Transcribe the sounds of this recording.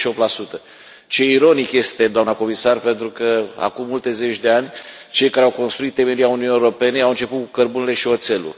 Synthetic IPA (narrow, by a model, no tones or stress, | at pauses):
ʃiop̚t̪lasut̪ə | t͡ʃe̞iɾo̞nikje̞st̪e̞d̪oamnəko̞misarpe̞nt̪ɾukəa̰kumːult̪e̞ze̞t͡ʃʲd̪e̞anʲ | t͡ʃe̞jkaɾeawko̞nst̪ɾuit̪ːe̞me̞ɾiauniunijeɾope̞ne̞awɨnt͡ʃe̞put̪kukərbunele̞ʃio̞t̪se̞lṵ